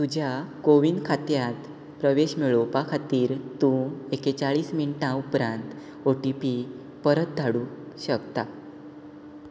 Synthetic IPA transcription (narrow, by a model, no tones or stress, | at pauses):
t̪ud͡ʑʱjakoʋinɖkʰat̪jat̪ | pɾəʋeɕmiɭopakʰat̪iːɾt̪ũeket͡ɕaɭiːsminʈãupɾãnt̪ | oʈipi | pəɾət̪̚d̪ʱaɽũː | ɕəkt̪a